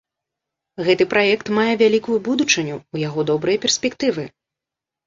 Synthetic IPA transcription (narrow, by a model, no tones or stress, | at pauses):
ɣɛt̪ɨpɾajɛkt̪majɛvʲalʲikujubud̪ut͡ʂɨnʲuujaɣɔd̪ɔbɾɨjɛpʲɛrsʲpʲɛkt̪ɨvɨ